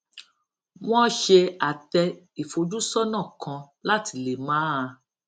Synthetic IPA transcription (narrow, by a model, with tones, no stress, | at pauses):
w̃ɔ̃˦ʃe˧a˨tɛ˧ | i˨fo˨˦d͡ʒu˦sɔ˦nã˦˨kʰã˧ | la˦ti˧le˨mãː˨˦a˧